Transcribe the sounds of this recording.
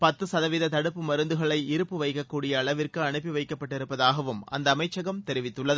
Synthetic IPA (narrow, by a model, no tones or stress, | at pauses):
pɐt̪ːɯsɐðɐʋiːðɐt̪ɐɽɯpːɯmɐɾɯnd̪ɯɣɐɭɐɪɪɾɯpːɯʋɐɪkːɐkːuːɽɪjɐːɭɐʋɪrkɯɐɳɯpːiʋɐɪkːɐpːɐʈːɪɾɯpːɐðaːɣɐʋɯmʔɐ̰nd̪ɐːmɐɪt͡ʃːɐɣɐmt̪ɛɾɪʋɪt̪ːɯɭːɐðɯ